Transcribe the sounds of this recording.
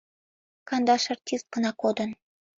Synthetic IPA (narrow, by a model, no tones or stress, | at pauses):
kɑnd̪ɑʃɑrtʲist̪̚ɡənɑkod̪ən